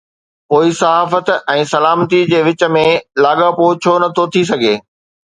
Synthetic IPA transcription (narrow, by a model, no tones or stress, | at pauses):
poːisɐɦaːfət̪ɛ̃ːsɐlaːmt̪id͡ʑeːʋɪt͡ɕə̆mẽlaːɠapoːt͡ɕʰoːnɐt̪ʰot̪ʰis̬ɐɡʱeː